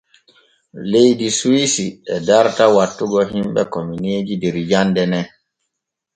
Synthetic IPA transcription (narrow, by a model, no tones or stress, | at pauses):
lejdisuisiɛdaɾtawatːuɡɔɦimɓɛ̰komineːd͡ʒidɛɾjandɛnɛ